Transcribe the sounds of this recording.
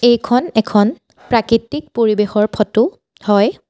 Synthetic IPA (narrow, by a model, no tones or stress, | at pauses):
ejkʰɔnɛkʰɔn | pɹakɹitik̚poɹibexɔɹpʰɔtʊ | hɔj